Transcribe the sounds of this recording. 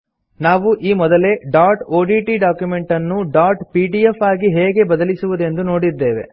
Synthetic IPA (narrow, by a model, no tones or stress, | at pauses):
naːʋuʔiːmɔd̪ɐle̞ɖaːɾʈoːɖiʈiɖaːkjume̞ɳʈɐnːuɖaːɾʈpiːɖiefaːɡiɦɛːɡe̞bɐd̪ɐlisuʋud̪e̞nd̪uno̞ːɽid̪ːe̞ːʋe̞̰